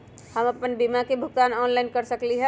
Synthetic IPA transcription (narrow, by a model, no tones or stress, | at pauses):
hɐmɐpənbimakebʱʊɡt̪aːnɔːnlaːɪnkɐɾsɐkliɦɛ